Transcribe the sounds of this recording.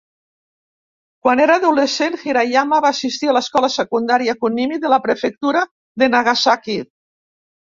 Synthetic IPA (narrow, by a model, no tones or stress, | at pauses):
kwaneɾaːðulesenxiɾajamaβaːsist̪ialaskɔlasekund̪aɾiakunːimiðelapɾefek̚t̪uɾa | ðenaɣasaki